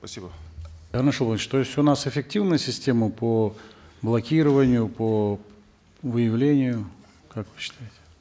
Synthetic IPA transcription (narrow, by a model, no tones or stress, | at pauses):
spɐsʲibəd̪arnəʂobˠnt͡ɕt̪osʲonasɪfʲɪk̚tʲivnɨjsʲɪsʲtʲe̞məpoblˠɐkʲiɾəvənʲɪjʊpo | vɨjɪvlʲenʲɪjʊ | kakvɨɕːɪ̥t̪ajɪtʲɪ̥